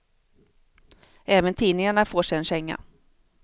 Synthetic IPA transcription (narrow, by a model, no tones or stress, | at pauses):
ɛːvənt̪ʰiːnɪŋaɳafoːʂɛɛnɕɛŋːa̰